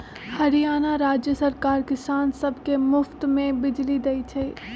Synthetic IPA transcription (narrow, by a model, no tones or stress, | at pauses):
hɐɾijaːnaɾaːd͡ʒjəsɐɾkaːɾkɪsaːnsɐbʱkemʊft̪mẽbɪd͡ʒlid̪ɐit͡ʃʰe